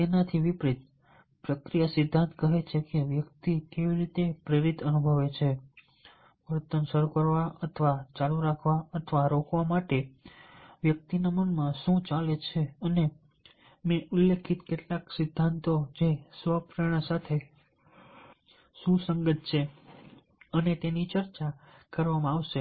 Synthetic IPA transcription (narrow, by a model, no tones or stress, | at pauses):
t̪enat̪ʰiʋipɾit̪̚ | pɾəkɾijasɪd̪ʱːãnt̪kəɦet͡ʃʰekeʋjəkt̪ikeʋiɾit̪epɾeɾit̪ənubʱəʋet͡ʃʰe | pəɾut̪ːəmsəɾukəɾʋaət̪ʰəʋat͡ʃaluɾakʰʋaət̪ʰəʋaɾokʋamaʈe | ʋjək̚t̪inamənmãʃũt͡ʃalet͡ʃʰeəne | mẽʔulːekʰit̪keʈlaksɪd̪ʱːant̪od͡ʒesʋəpɾeɽ̃əsat̪ʰe | sũsəŋɡət̪̚t͡ʃʰe | ənet̪enit͡ʃəɾt͡ʃakəɾʋamãaʋʃe